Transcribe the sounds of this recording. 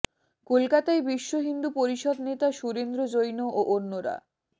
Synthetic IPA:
kolkat̪aebiʃːoɦind̪upoɾiʃɔd̪net̪aʃuɾend̪ɾod͡ʑojnoʔoʔonːoɾa̰

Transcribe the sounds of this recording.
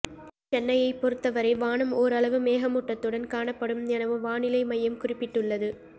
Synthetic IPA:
t͡ʃɛnːɐjɐɪpːɔɾɯt̪ːɐʋɐɾɐɪʋaːɳɐmoːɾɐlɐʋɯmeːɣɐmʊʈːɐt̪ːɯɽɐnkaːɳɐpːɐɽɯmnɪnɐʋɯʋaːɳɪlɐɪmɐjːɐmkʊrɪpːɪʈːɯɭːɐðɯ

